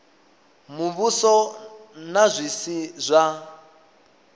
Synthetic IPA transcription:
muβusɔnazʷisizʷa

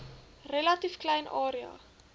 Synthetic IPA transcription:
relɐtifklɛjnʔɑːɾiɑ̰ː

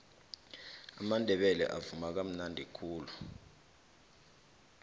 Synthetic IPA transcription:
a̰mandʱɛɓɛlɛ̰ʔavumak̬am̩nandʱikʰuːlu

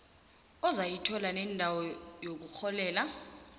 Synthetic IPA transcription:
ɔzajitʰɔlanɛndʱawɔjok̬uk͡xʰɔlɛːla

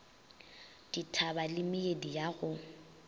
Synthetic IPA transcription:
d̥itʰabalɪmɪedijaɣʊ

